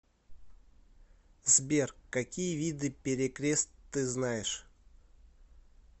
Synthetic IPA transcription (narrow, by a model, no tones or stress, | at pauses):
zbʲerkkːɐkʲijəvʲid̪ɨpʲɪɾʲɪkɾʲe̞st̪ːɨznajɪʂ